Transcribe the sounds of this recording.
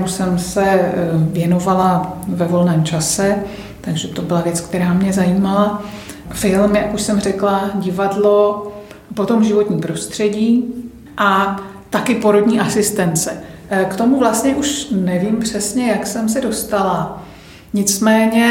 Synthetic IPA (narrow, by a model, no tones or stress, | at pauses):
musɛmsɛvjɛno̞valavɛvo̞lnɛːmt͡ʃasɛ | t̪aɡʒɛt̪o̞bɪlavjɛt͡skt̪ɛɾaːmɲɛzajiːmala | fɪlmjakuʃsɛmr̝ɛklaɟɪvadlo̞ | po̞t̪o̞mʒɪvo̞t̪ɲiːpɾo̞st̪r̝̥ɛɟiː | ʔa | t̪akɪpo̞ɾo̞dɲiːʔasɪst̪ɛnt͡sɛ | kt̪o̞muvlast̪ɲɛʔuʃnɛviːmpr̝̥ɛsɲɛjaksɛmsɛdo̞st̪ala | ɲɪt͡smɛːɲɛ